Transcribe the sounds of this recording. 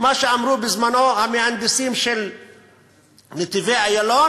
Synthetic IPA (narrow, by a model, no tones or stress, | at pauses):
maʃeʔamɾuːbɪzmanohamehand̪ɪsiːmʃel | nɪt̪iveʔajaloː